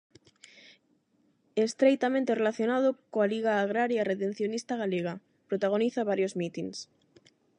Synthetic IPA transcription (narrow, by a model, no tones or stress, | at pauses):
est̪ɾejt̪amẽnt̪erelaθjonað̞okoaliɣaːɣ̞ɾaɾjaret̪en̟θjonist̪aɣaleɣ̞a | pɾot̪aɣoniθaβaɾjozmit̪iŋs